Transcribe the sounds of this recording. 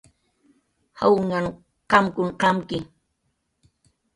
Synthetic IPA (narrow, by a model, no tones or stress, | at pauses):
ha̰wŋaŋ | qɑmkʊɴqɑmkɪ